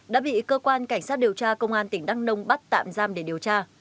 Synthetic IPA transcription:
ɗa̰ː˧˥ɓḭ˧˨kəː˧kwaː˧nka˧˩jŋ̟saː˦˥t̚ɗi˨˩əwt͡ɕaː˧kə˧wŋ͡mʔaː˧nt̪ï˧˩ŋ̟ɗa˨˦˥ŋnə˧wŋ͡mɓa˦˥t̚t̪a̰ː˧˨mzaː˧mɗe˧˩ɗi˨˩əwt͡ɕaː˧

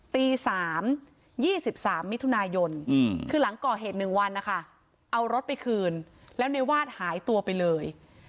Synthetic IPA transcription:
t̪iː˧saː˩˦m | jiː˥˩si˨˩p̚saː˩˦mːi˦˥t̪ʰu˧naː˧jo˧nkʰɯː˧la˩˦ŋkɔː˨˩ɦeː˨˩t̪̚nɯ˨˩ŋwa˧nːa˦˥kʰa˥˩ | ʔa˧wɾo˦˥t̪̚pa˧jkʰɯː˧n | lɛː˦˥wna˧jwaː˥˩t̪̚haː˩˦jt̪u˧ɐpa˧jlɤː˧j

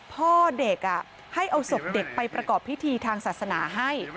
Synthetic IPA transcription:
pʰɔː˥˩de˨˩k̚ʔa˨˩ | ha˥˩jʔa˧wso˨˩p̚de˨˩k̚pa˧jpɾa˧kɔː˨˩pʰːi˦˥t̪ʰiː˧t̪ʰaː˧ŋsaː˨˩t̪̚sa˧naː˩˦ɦa˥˩j

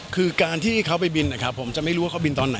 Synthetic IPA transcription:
kʰɯː˧kaː˧nt̪ʰiː˥˩kʰa˦˥wpa˧jbi˧nːa˧˩kʰa˦˥pʰːo˩˦mt͡ɕa˨ʔma˥˩jɾuː˦a˥˩kʰa˥bi˧nt̪ɔː˧nːa˩˦

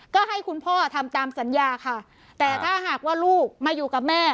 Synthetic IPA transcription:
kɔː˥˩ɦa˥˩jkʰu˧npʰɔː˥˩t̪ʰa˧mt̪aː˧msa˩˦njaː˧kʰa˥˩ | t̪ɛː˨˩t̪ʰaː˥˩ɦaː˨˩k̚waː˥˩luː˥˩k̚maː˧juː˨˩ka˨˩p̚mɛː˥˩

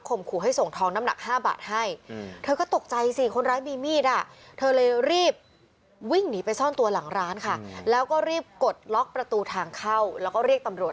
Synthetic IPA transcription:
kʰo˧˩mkʰuː˨˩ɦa˥˩jso˨˩ŋt̪ʰɔː˧˥ŋna˧˦˥mna̰˨˩k̚haː˥˩ba̰ː˨˩t̪̚ha˥˩jt̪ʰɤː˧kɔː˥˩t̪o˨˩k̚t͡ɕa˧jsi˧˩kʰo˧nɾaː˦˥nmiː˧miː˥˩t̪̚ʔa˨˩t̪ʰɤː˧lɤː˧jɾiː˥˩p̚ | wi˥˩ŋniː˦˥pa˧jsɔː˥˩nt̪u˧ɐla˩˦ŋɾaː˦˥nkʰa˥˩lɛː˦˥wkɔː˥˩ɾiː˥˩p̚ko˨˩t̪̚lɔ˦˥k̚pɾa˧t̪uː˧t̪ʰaː˧ŋkʰa˥˩wlɛː˦˥wkɔː˥˩ɾiː˥˩k̚t̪a˧mɾu˨˩ət

